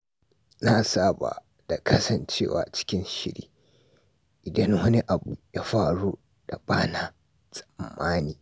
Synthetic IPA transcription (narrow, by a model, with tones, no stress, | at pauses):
naː˦saː˦ba̰˨ | d̥a˨kʰɐ˦sɐ˨nt͡ʃeː˦wa̰ː˨t͡ʃɪ̥˦kʲɪ˦nʃɪ˦ɽḭː˦ | ʔɪ˨dɐ˦nwɐ˦ni˦ʔa˨bu˨jaː˦ɸaː˨ɽuː˦ | da˨baː˦na˨ | sʼɐ̥˨mːaː˦niː˨